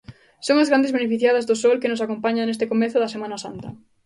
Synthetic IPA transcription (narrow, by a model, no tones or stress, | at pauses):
soŋazɣɾand̪ezβenefiθjað̞ɐzðʊsɔlkɪnʊsakompaɲaŋnest̪ɪkomɛθʊðɐsemanɐsa̰nt̪ɐ